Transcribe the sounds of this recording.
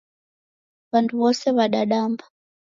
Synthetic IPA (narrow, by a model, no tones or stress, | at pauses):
βantuβɔsɛβaɗaɗamba